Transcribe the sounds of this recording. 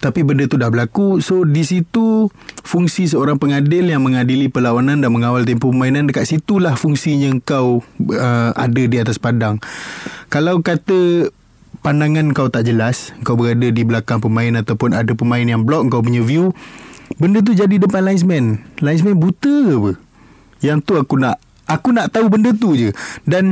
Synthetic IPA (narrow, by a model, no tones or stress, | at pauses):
t̪apibəndət̪udahbəlakusodisit̪ufuŋsis̬əoɾaŋpəŋadɪljaŋmə̃ŋadilipəlawanãndaʔməŋawalt̪̬empopəmainandəkat̪ʔ̪sit̪ulahfuŋsiɲəəŋkawəa̰dədiat̪aspadaŋ | kalawkat̪ə | pandaŋãnŋkawt̪aʔd͡ʒəlasəŋkawbəɾadədibəlakaŋpəmãɪnat̪awpʊnadəpəmãɪnjaŋblɔk̚əŋkawp̬uɲəviu | bəndət̪̬ud͡ʒadidəpanlaɪns̬mɛnlains̬mɛnbut̪əpə | jaŋt̪uakunaʔ | akunaʔt̪aubəndət̪ud͡ʒədan